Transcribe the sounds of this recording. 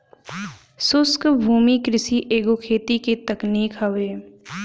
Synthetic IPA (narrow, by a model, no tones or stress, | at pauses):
sʊskbʱuːmikɾɪsiʔeːɡokʰeːt̪ikit̪əkniːkɦɐʋeː